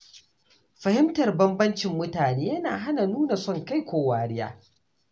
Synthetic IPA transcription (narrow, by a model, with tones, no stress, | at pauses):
ɸɐ˨hɪ˦mtɐ˨rbɐ˦mbɐ˦nt͡ʃɪ˨mːʊ˦taː˨neː˦jɐ˦naː˨ɦa˦na˨nuː˦na˨sɔ˦˨ŋka˦˨jkʷoː˨waː˨ɽɪ˦ja̰ː˦